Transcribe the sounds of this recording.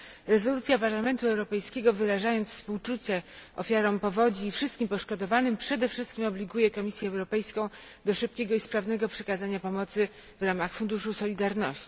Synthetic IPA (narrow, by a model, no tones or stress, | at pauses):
ɾɛzɔlut̪sʲjapaɾlamɛnt̪uɛwɾɔpɛjskʲeɡɔvɘɾaʐajɔnt̪sfspuwt͡ʂut͡ɕɛɔ̰fʲjaɾɔ̃w̃pɔvɔd͡ʑiːfʂɘst̪kʲimpɔʂkɔd̪ɔvanɘmpʂɛd̪ɛfʂɘst̪kʲimɔblʲiɡujɛkɔmʲisʲjɛːwɾɔpɛjskɔ̃w̃ | d̪ɔʂɘp̚kʲeɡɔispɾavn̪ɛɡɔpʂɛkazaɲapɔmɔt̪sɘ | vɾamaxfund̪uʂusɔlʲid̪aɾnɔɕt͡ɕi